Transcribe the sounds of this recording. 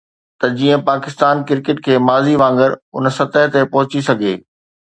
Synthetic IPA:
t̪ɐd͡ʑiːə̃paːkɪst̪aːnkɪɾkɪʈkʰeːmaːziʋãːŋɡəɾʊ̰nsɐt̪əɦt̪epɐɦʊt͡ɕisɐɡʱeː

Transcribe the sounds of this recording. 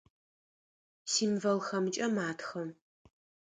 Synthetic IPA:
siːmvɐlxɐmɨt͡ʃʼɐmaːtʰxɐm

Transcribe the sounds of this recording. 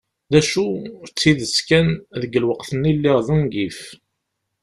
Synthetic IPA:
ðæʃut͡sːiðəskænðəɡəlwəqθənilːɪʁðəŋɡif

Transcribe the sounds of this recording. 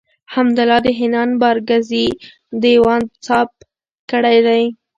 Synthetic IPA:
hamd̪ʊlɑd̪əɦɪnɑnbɑɾɡazi | d̪ewɑnt͡sɑp̚ | kəɽajd̪aj

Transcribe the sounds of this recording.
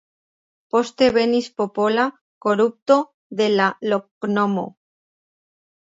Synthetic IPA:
post̪eβenispopola | koɾup̚t̪o | ðelaloknomo̰

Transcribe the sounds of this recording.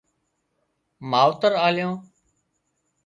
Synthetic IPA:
maːʋt̪əɾaːljõː

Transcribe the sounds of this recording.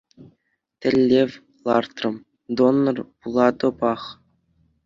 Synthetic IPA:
t̪ʲɘ̆lʲːeʋʲ | lˠɑrt̪rɤ̆m | d̪onːɤ̆rpulˠɑd̪ɤ̆pɑχ

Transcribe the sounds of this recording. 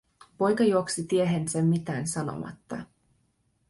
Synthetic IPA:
po̞jkɑjuoksit̪ieɦensemːit̪æːnsɑno̰mɑ̰t̪ːɑ̰

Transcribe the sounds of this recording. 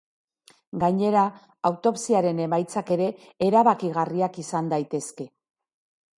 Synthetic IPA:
ɡaɲe̞ɾa | awt̪o̞psiaɾe̞ne̞majt͡sake̞ɾe̞ː | ɾaβakiɣ̞ariakisand̪ajt̪e̞ske̞

